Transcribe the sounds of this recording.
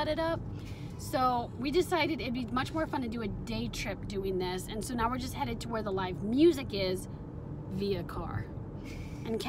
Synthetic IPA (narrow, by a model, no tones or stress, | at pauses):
ɛɾɨɾʌp̚ | soʊwidɨsaɪɾɨɾɪt̚bimʌt͡ʃmɔɹfʌ̃ntʰɨdɨɨdeɪtʰɹ̥ɪp̚d̥ʉɪ̃ŋðɪsɨ̃nsoʊnaʊwɨɹd͡ʒʌst̚hɛɾɨd̚tʰəwə˞ðəlaɪvmjʉzɨkɪz | viɨkʰɑ̰ɹ | ɨ̃nkʰ